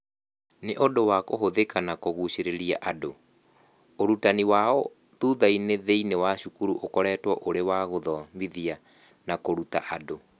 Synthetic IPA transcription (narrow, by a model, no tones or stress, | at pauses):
neʔodowakoɦoðekanakoɣuɕeɾeɾiaʔado | oɾutaniwaɔ | tuːðaineðeinewaɕukuɾuʔokɔɾɛːtwɔʔoɾewaɣoðɔmiðia | nakoɾutaʔado